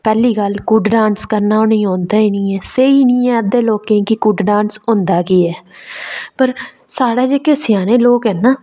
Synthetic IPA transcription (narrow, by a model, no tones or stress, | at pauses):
pɛːliːkəlkuɖɖãːnskəɾnaːʊnĩːõːnd̪aːiːnĩːɛːseːiːnĩːɛ̃ːəd̪eːloːkẽkɪkuɖɖãːnsõːnd̪aːkiːɛː | pəɾ | saːɽaːd͡ʒeːkesɪjaːnẽːloːkɦɛːnaː